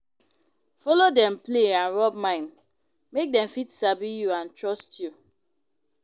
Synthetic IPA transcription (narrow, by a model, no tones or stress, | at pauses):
fɔlodɛ̃mpleãnɹɔb̚mãɪ̃n | mek̚dɛ̃mfitsabijuãntɹɔstju